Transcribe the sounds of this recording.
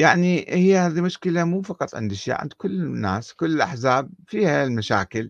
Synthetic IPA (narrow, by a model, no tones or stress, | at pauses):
jaʕnihɪjːhaːðimʊʃkɪlamuːfɑqɑt̪ˤʕɪ̰nd̪ʔɪʃja̰ːʕɪ̰nd̪kʊlːnːa̰ːskʊlːɪlʔaħzaːb̚fiːhalmaʃa̰ːkɪl